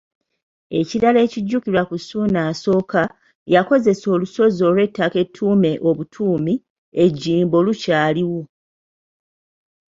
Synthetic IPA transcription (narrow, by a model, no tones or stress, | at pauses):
e̞ciɾale̞ːciɟːukilwakusuːnaːso̞ːka | jako̞ze̞so̞ːluso̞zo̞ːlwe̞tːake̞tʰːuːme̞ʔo̞βutʰuːmi | eɟːiːmbo̞lucaːliwo